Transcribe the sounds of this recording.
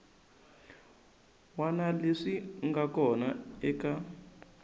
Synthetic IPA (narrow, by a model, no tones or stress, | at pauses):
wanaleʂiŋɡakɔnaɛka